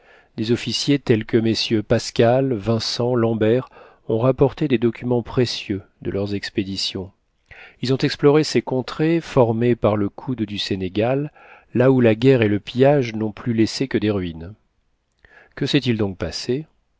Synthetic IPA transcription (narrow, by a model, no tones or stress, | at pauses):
d̪ezɔfisjet̪ɛlkəmesjøpaskʲalvɛ̃sɑ̃lɑ̃bɛʁ | ɔ̃ʁapɔʁt̪ed̪ed̪ɔkʲymɑ̃pχesjød̪əlœʁzɛksped̪isjɔ̃ | ilzɔ̃t̪ɛksplɔʁesekɔ̃t̪χefɔʁmepaʁləkʰud̪d̪yseneɡalː | aulaɡʲɛʁeləpijaʒnɔ̃plylesekəd̪eʁɥin | kəsɛt̪ild̪ɔ̃k̚pase